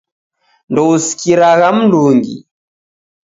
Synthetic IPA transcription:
ndɔusi̥kiɾaɣam̩nduŋɡḭ

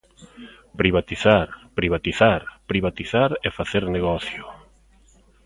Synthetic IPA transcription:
pɾiβat̪iθaɾpɾiβat̪iθaɾpɾiβat̪iθaɾɛfaθeɾneɣɔθjʊ

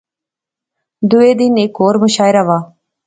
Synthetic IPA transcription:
d̪ʊeːd̪ɪneːkoːɾmʊʃaːɪɾaːʋaː

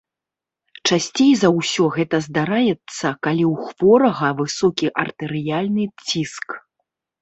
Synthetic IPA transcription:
t͡ʂasʲt͡sʲejzɐwsʲɔɣɛt̪ɐzd̪aɾajɛt̪sːɐkalʲiwxv̥ɔɾɐɣɐvɨsɔkʲiʔɐrt̪ɛɾɨjalʲnɨt͡sʲisk

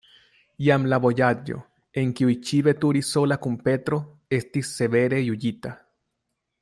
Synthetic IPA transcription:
jamlabo̞jad͡ʒo̰ | e̞ŋkiujt͡ʃiβe̞tuɾiso̞lakumpe̞t̪ɾo̞ | e̞stisːe̞βe̞ɾe̞jud͡ʒita

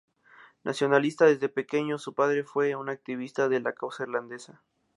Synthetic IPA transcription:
nʔa̰sjo̞nalist̪aðe̞zðe̞pe̞ke̞ɲo̞supaðɾe̞fwe̞unak̚t̪iβ̞ist̪aðe̞lakawsaeɾland̪e̞sa

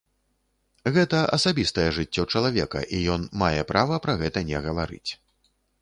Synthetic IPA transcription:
ɣɛt̪ɐʔɐsabʲist̪ɐjɛʐɨt͡sʲːɔt͡ʂɐlˠavʲɛkɐ̰ʔijɔnmajɛpɾavɐpɾɐɣɛt̪ɐnʲɛɣɐvaɾɨ̰t͡sʲ

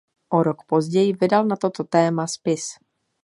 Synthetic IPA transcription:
ʔoɾokpo̞zɟɛjɪvɪdalnat̪o̞t̪ot̪ɛːmaspɪs

